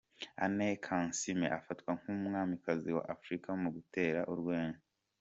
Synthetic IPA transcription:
a̰nekʰansimḛʔafatkwaŋ̥umŋaːmikaziwa̰ʔafɾikamuɡute̞ːɾaʔuɾɡweːnza

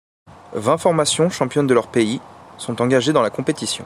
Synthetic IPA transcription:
vɛ̃fɔʁmasjɔ̃ʃɑ̃pjɔnd̪əlœʁpeisɔ̃t̪ɑ̃ɡaʒed̪ɑ̃lakɔ̃pet̪isjɔ̃

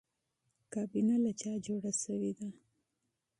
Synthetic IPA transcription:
kɑbinalat͡ʃɑd͡ʒoɽaʃəwed̪a

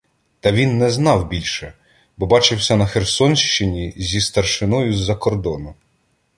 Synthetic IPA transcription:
t̪ɐʋʲinːɛznɑwbʲilʲʃɛ | bɔbɑt͡ʃɪwsʲɐnɐxersɔnʃt͡ʃɪnʲizʲist̪ɐrʃɪnɔjʊzːɐkɔrd̪ɔnʊ

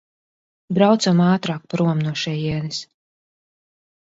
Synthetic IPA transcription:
bɾawt̪samaːt̪ɾaːk̚paɾuɔmnuɔʃɛjiɛnɛs

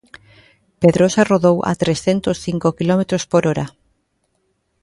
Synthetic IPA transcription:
peðɾosaroðowʔa̰t̪ɾesθent̪osθiŋkokilɔmet̪ɾospoɾoɾa

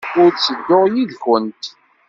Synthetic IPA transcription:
ʊɾsəɡːʊʁjiðçənt̪

